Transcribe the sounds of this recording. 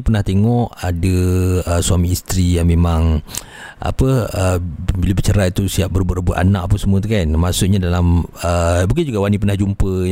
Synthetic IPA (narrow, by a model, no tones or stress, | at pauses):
pərnaht̪eŋɔʔadəəsuamiːst̪ɾijaŋmemãŋ | ʔa̰pəəbiləbət͡ʃəɾait̪usiap̚bəɾəbʊʔrəbʊʔa̰naʔapəsəmuət̪̬ukanmasʊʔɲadalaməbuɡkand͡ʒuɡawanipərnahd͡ʒumpə